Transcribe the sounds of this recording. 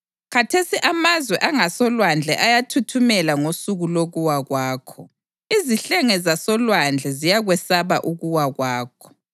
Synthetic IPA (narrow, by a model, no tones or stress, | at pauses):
ɣatʰesiʔamazwɛʔaŋasɔlwand͡ɮʱɛʔajatʰutʰumɛlaŋosuɣuloɣuwaɣwaːkʰɔ | iziɬɛŋɛzasɔlwand͡ɮʱɛzijaɣwɛsaβa̰ʔuɣuwaɣwaːkʰɔ̥